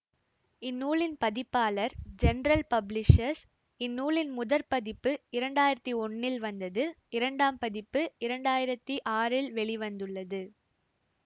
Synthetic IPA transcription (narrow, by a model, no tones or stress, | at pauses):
ɪnːuːɭɪnpɐðɪpːaːlɐɾd͡ʒɛnɾɐlpɐblɪʂɐɾs | ɪnːuːɭɪnmʊðɐɾpɐðɪpːɯɪɾɐɳɖaːjɪɾɐt̪ːiɔɳːɪlʋɐnd̪ɐðɯ | ɪɾɐɳɖaːmpɐðɪpːɯɪɾɐɳɖaːjɪɾɐt̪ːiʔaːrɪlʋɛɭɪʋɐnd̪ɯɭːɐðɯ